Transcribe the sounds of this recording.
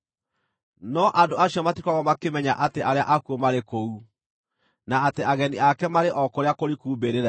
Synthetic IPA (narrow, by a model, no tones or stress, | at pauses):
nɔʔandoaɕiɔmatikwaɣɔmakemɛɲaʔateʔaɾeaʔakuomaɾekou | naːteaɣɛniakɛmaɾeʔɔkoɾeakoɾikuːbeɾeɾɛ